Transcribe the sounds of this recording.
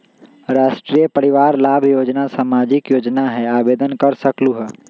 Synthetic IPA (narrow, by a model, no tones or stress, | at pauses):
ɾaːʃʈɾiəpəɽɪʋaːɾlaːbʱjoːd͡ʒnasaːmaːd͡ʒɪkjoːd͡ʒnaɦɛaːbeːd̪ənkəɾsəkluɦɛː